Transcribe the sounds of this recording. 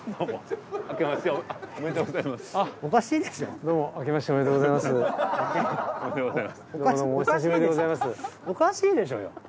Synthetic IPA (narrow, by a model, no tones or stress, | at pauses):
d̪oːmoakemasɨjoomet̪oɡozaimasɨ̥aokaɕiːd̪eso̰d̪o̞ːmo̞ʔakemaɕi̥t̪eomet̪oɡozaimasɨ | omed̪oɡozaimasdod̪omoɕsaɕ̬ibɯɾid̪eɡozaimasɨokaɕiːd̪e̞ɕ̬o̞̰ːjo̰